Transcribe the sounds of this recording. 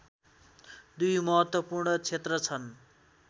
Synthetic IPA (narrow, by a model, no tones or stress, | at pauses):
d̪ujmʌɦʌt̪wʌpurɳʌt͡sʰet̪rʌt͡sʰʌn